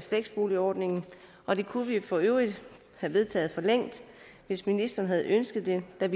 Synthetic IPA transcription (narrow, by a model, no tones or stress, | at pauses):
fleɡ̥sb̥o̝ːliɒːd̥ne̝ŋn̩ | ʔɒ̽d̥e̝kʰuʋifɒ̽øʊʁid̥ | hæʋe̝ð̞ˠt͡sʰɛ̰ːð̩ˠfɒ̽leŋ̰d̥ | ʋe̝sminisd̥ɐːn̩ɦæð̞̩ˠønsɡ̥ð̩ˠd̥e̝d̥æʋ